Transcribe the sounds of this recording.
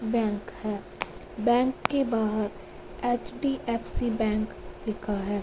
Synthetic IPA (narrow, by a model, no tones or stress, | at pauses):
bɛ̃ːŋkhɛː | bɛ̃ːŋkːebaːɦəɾ | eːt͡ʃɖiʔɛːfsibɛ̃ːŋklɪkʰaɦɛː